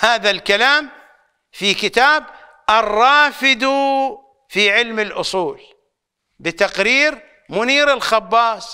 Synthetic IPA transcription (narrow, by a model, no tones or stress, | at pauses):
haːðalkalaːm | fikɪt̪aːb | ʔɑrˤːɑːfɪd̪u | fiʕɪlmɪlʔʊsˤuːl | bɪt̪aqɾiːɾ | mʊniːɾɪlxɑbːɑːsˤ